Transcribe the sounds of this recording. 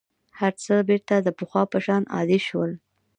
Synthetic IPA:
haɾt͡səbeɾt̪ad̪əpəxwɑpəʃɑnɑ̰d̪eʃwəl

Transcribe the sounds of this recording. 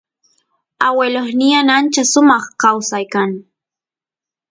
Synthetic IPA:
aweloχnɪjanant͡ʃasʊmɑχkawsajkaŋ

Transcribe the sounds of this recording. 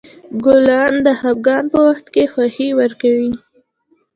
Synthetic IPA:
ɡʊlɑnd̪əhab̚ɡɑnpəwaxt̪kexwaxiwəɾkawi

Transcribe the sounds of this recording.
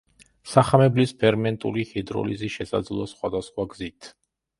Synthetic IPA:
saχamɛblispʰɛɾmɛnt̪ʼṵlihid̪ɾɔ̰lḭziʃɛsa̰d̪zlˠɔsχwa̰d̪asχwaɡzit̪ʰ

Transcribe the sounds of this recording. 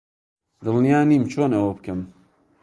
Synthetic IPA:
d̪ɨlˠnijaːniːmt͡ʃʰoːnɐwɐb̚kɐm

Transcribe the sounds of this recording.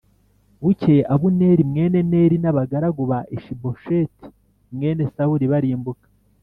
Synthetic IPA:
βuceʔaβune̞ɾimŋe̞ːne̞ne̞ːɾinaβaɡaɾaɡuβaʔeʃibo̞ʃeti̥ | mŋe̞ːne̞sahuɾiβaɾiːmbukḁ

